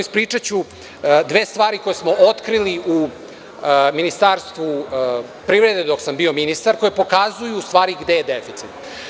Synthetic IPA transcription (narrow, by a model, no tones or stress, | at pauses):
ispɾiːt͡ʂat͡ɕu | d̪ʋeːst̪vaːɾiko̞jesmo̞ot̪kɾiliʔu | minist̪aːɾst̪ʋu | pɾivɾe̞d̪ed̪o̞ksambio̞minist̪aɾko̞jepo̞kazujuːst̪ʋaːɾiɡd̪ejed̪efit̪sit̪